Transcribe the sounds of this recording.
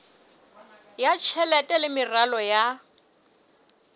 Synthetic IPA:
jat͡ʃʰɛlɛtʼɛlɪmɪralɔja

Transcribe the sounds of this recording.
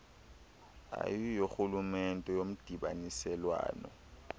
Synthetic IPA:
a̰jijoxulumɛntʼɛjom̩d̥ʱiɓa̰nisɛlwa̰ːnɔ̰

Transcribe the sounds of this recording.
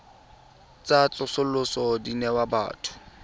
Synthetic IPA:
t͡sat͡ɬʼʊsʊlʊsɔdinɛwaba̰ːtʰʊ̥

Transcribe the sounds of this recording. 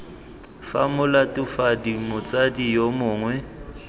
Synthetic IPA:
fa̰mʊlatʼʊfadimʊt͡sʼadijomʊːŋwɛ

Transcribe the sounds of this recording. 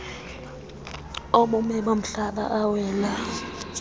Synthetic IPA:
oɓumɛɓom̩ɬaɓa̰ʔawɛːla

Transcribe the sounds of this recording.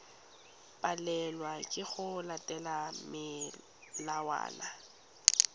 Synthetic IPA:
pʼalɛlwakʼɪɣʊlatʼɛlamɪ | lawa̰ːla

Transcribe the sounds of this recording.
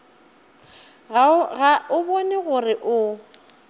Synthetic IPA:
ɣɣaʊbɔnɛɣʊrɪʔʊ

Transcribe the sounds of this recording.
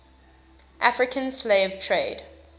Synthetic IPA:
ʔafɹɪkʰə̃nsleɪv̥tʰɹeɪd̥

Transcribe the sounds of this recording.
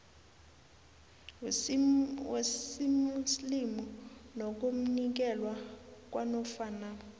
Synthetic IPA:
weimuslimɔnok̬um̩nik̬ɛlwak̬ʼwanɔfaːna

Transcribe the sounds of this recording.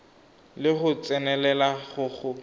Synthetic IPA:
lɪχʊt͡sʼɛnɛlɛlaχʊχʊ

